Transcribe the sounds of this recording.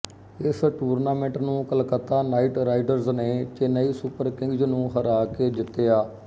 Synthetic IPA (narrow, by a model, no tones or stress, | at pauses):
ɪsʈuːɾnaːmẽɳʈnũːkəlkət̪ːaːnaːiʈɾaːiɖəɾzneːt͡ʃɪnəiːsupəɾkɪ̃ŋɡd͡ʒnũːɦəɾaːkeːd̪ɪt̪ːejaː